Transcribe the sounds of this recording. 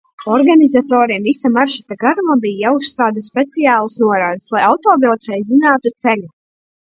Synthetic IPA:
ɔɾɡanizat̪ɔːɾimvisamaɾʃit̪aɡaɾmabijjausaːd̪uspʲet̪sijaːlˠsnuɔɾaːd̪slˠajawt̪ɔːɡɾɔt̪sɛjzinaːt̪ut̪selʲu

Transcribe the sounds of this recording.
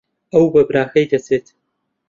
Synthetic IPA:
ɐwbɐbɾaːxɐjd̪ɐt͡sʰeːt̪

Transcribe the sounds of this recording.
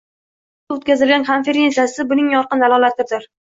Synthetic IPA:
aot̪kʲʰazɪlɡʲanχʰanfeɾensasɪbʊnɪŋjɒɾqɨnd̪alˠɒlˠat̪ʰɪɾd̪ɪɾ

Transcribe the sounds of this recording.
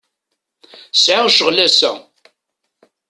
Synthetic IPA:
sʕaʁʃəʁlæsæ̰

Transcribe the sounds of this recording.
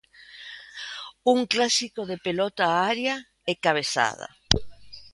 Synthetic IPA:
uŋklasikoðe̞pelot̪aaɾja | ekaβesa̰ða̰

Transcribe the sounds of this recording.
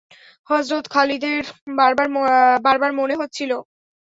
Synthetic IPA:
hɔzɾot̪kʰalid̪eɾbaɾbaɾbaɾbaɾmoneɦot̪ːt͡ɕʰilo

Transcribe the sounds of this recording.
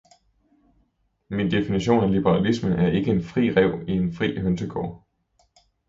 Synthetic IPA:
mind̥e̝finiɕo̝̰ːnælib̥əʁɑ̈lismənʔæɐʔe̝ɡ̥əe̝nfʁḭːʁɛʊ̰ie̝nfʁḭːɦønsəɡ̥ʰɒ̰ː

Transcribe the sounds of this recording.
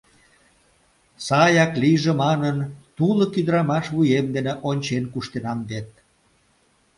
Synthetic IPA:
sɑjɑkliʒemɑnənt̪ulə̆kyd̪əɾɑmɑʃβujemd̪eneʔonʲt͡ɕenkuʃt̪enɑmd̪et̪̚

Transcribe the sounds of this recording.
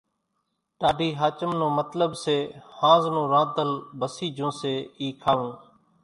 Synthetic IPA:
ʈaːɖiːɦaːt͡ʃəmnõːmət̪ləbseːhãːznõːɾãːd̪əlbəsiːd͡ʒõːseːiːkʰaːʋũː

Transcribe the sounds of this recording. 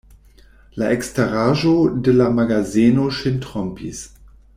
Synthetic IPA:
laʔɛkstaʁaːʒodəlamaɡazeːnoʃɪntʁɔmpḭs

